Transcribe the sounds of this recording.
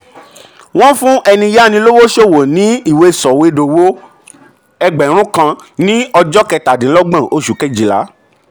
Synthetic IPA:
w̃ɔ̃˦fũ˦ʔɛ˧nĩ˧ja˦˨nĩ˧˦lo˦wo˦ʃo˦˨wo˨nĩ˨˦i˦˨we˨˧˦sɔ˨we˨˧˦do˨wo˦ | ɛ˧ɡ͡bɛ˨˦ɾ̃ũ˦kã˧nĩ˦ɔ˧d͡ʒɔ˦kɛ˧ta˨dĩ˨˦lɔ˦ɡ͡bã˦˨ʔo˦ʃu˨kɛ˦˨d͡ʒi˨la̰˨˦

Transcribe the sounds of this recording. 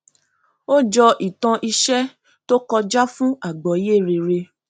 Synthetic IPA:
o˦d͡ʒɔ˧ʔi˨tã˧ʔi˧ʃɛ˦ | to˦kɔ˧d͡ʒa˦fũ˦a˦˨ɡ͡bɔ˨˦je˦˨ɾe˧ɾe˧

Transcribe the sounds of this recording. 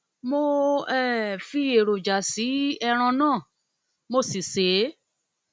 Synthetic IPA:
mo˧ɛ˦˨fi˧e˨ɾo˨d͡ʒa˨si˨˦ɛ˧ɾ̃ɔ̃˧nãː˦˨ | mo˧si˨se˨˦

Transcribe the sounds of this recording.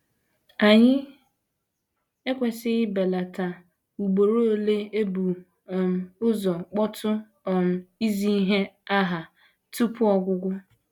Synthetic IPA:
a˨ɲɪ˦ | e˦kʷe˨sɪ˦be˨la˨ta˨ | ŋ͡mu˨ɡ͡bo˨ɾo˦o˦le˦e˦bu˨ | ʊ˦zɔ˨k͡pɔ˦tʰʊ˦˨ | m̩˨i˦zi˦ɦe˦a˦ɦa˨ | tu˦pʊ˦ɔ˨ɡʷʊ˦ɡʷʊ˦

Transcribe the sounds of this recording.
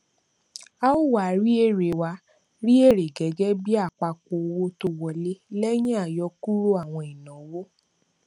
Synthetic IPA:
a˦o˦wa˨ɾi˦e˦˨ɾe˨wa˧˦ | ɾi˦e˦˨ɾe˨ɡɛ˨˦ɡɛ˦bi˦a˦˨k͡pa˧ko˧o˧wo˦to˧wɔ˨le˦lɛ˦j̃ĩ˦a˦˨jɔ˧ku˦ɾo˦a˦˨w̃ɔ̃˧i˨nã˨˦wo˦

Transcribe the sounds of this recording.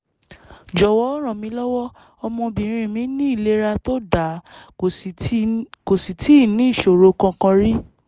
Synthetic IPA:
d͡ʒɔ˨wɔ˨˦ɾ̃ɔ̃˨mĩ˧˦lɔ˦wɔ˦ | ɔ˧mɔ̃˧bĩ˨˦ɾ̃ĩ˧˨mĩ˨˦nĩ˦i˦˨le˦ɾa˧to˦da˨ | ko˨si˨tʰi˨˦˨nĩ˦i˦˨ʃo˨ɾo˧kã˧kã˧ɾi˦

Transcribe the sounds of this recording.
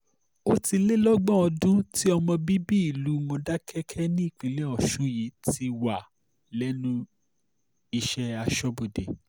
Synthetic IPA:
o˦ti˧le˦lɔ˦ɡ͡bɔ̃˦ɔ˧dũ˦ti˦ɔ˧mɔ̃˧bi˦bi˦i˨lu˨˦mɔ̃˧da˦kʰɛ˦kʰɛ˦nĩ˦i˦˨k͡pĩ˨˦le˦ɔ˨ʃũ˨˦ji˨˦ti˧wa˨ | lɛ˦nũ˦ | i˧ʃɛ˦a˧ʃɔ˦bo˨de˨

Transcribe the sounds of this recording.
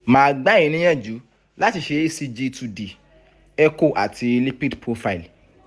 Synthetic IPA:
mãː˨˦ɡ͡ba˦ĩ˨nĩ˦j̃ɛ̃˦˨d͡ʒu˨˦ | la˦ti˧ʃe˧e˦si˧d͡ʒi˧tu˧di˨ | ɛ˦ko˦˨ʔa̰˨ti˧li˦pi˦dpɾo˧fa˦i˨l

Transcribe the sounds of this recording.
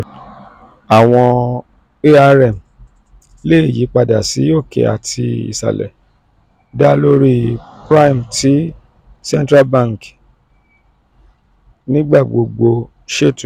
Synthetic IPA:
a˨w̃ɔ̃˧ | e˦a˧ɾɛ˦˨m | le˦i˦˨ji˨˦k͡pa˧da̰˨si˨˦joː˦˨kḛ˨˦a̰˨tʰi˧ḭ˨sa̰˨lɛ̰˨ | da˦lo˦ɾi˦pɾa˦i˨m˨ti˨˦ | sɛ̃˦n˦tɾa˦bã˦˨ŋ˨k | nĩ˦ɡ͡ba˦˨ɡ͡bo˨ɡ͡bo˧ | ʃe˦tũ˨

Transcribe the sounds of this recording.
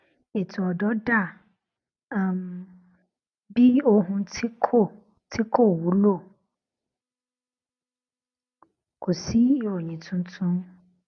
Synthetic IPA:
e˨tʰu˨ɔ˨dɔ˦da˦˨ | m | bi˦o˦ɦũ˦tʰi˦kʰo˦˨ | tʰi˦kʰo˦˨wu˨˦lo˦˨ | kʰo˨si˦wɔ˨ɲĩ˨tʰũ˦n˦tʰũ˦m

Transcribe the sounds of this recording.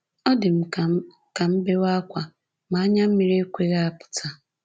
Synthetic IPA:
ɔ˦dɪ˨m̩˨ | ka˨m̩˦be˦wa˦kʷa˨ | ma˨a˦ɲa˦m̩˦mi˨˦ɾe˦kʷe˦ɣa˦a˨pʊ̥˨tʰa˨

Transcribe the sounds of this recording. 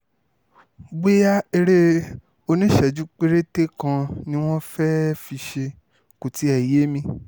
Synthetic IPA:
ɡ͡be˦ja˦e˧ɾe˦ | o˧nĩ˦ʃɛ˨d͡ʒu˦k͡pe˦ɾe˦te˦kã˧nĩ˦w̃ɔ̃˦fɛ˦fi˧ʃe˧ | ko˨ti˨˦ɛ˨je˨˦mĩ˧

